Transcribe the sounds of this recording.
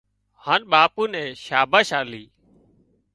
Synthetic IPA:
haːnɓaːpuːnɛ̃ːʃaːbaːʃaːliː

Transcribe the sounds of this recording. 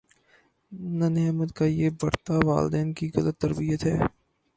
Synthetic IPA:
nanemət̪kajeːbɐɾt̪aʋa̰ːld̪ɛːnkiɣɐlət̪ːɐɾbijət̪ɦɛː

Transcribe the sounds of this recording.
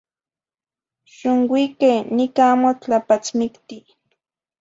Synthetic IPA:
ʃʊŋwikenikamot͡ɬapat͡smikt̪i

